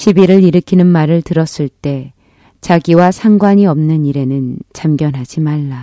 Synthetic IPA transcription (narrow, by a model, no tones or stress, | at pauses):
ɕʰibiɾɯɾiɾɯkʰinɯnmaɾɯɭtɯɾʌs͈ɯɭt͈e̞ | t͡ɕaɡiwasʰaŋɡwaɲiʌmnɯniɾe̞nɯnt͡ɕamɡjʌnɦad͡ʑimaɭːa